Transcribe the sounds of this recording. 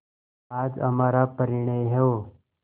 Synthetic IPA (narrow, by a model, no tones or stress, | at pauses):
ad͡zəm̤aɾapəɾiɳ̃əjɦeʋo